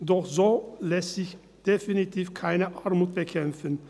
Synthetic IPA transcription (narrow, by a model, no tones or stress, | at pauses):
dɔχzoːlɛstz̥ɪç | d̥efinitʰiːfkʰaɪnəʔaɐmuːt̚b̥əkʰɛmfən